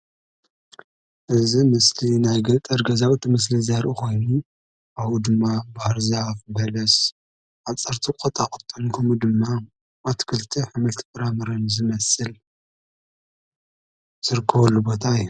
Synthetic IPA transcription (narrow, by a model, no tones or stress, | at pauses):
ʔɨzimɨslinajɡɐt̪ʼɐɾɡɐzawt̪ʰimɨs̬lizaɾʔuxo̞jnu | ʔaβud̪ɨmːabahɾzafbɐlɐs | ʔaβt͡sʼɐɾt̪ʰikʼot̪ʼakʼɨt̪ʼːɐnkʰɐmud̪ɨmːa | mat̪ʰkʰɨlt̪ʰiħɨmɨlt̪ʰpʼɨɾamɐɾɐnzɨmɐsɨl | z̥ɨɾɨkʰːɐβɐlːubo̞t̪ʰaɨjːu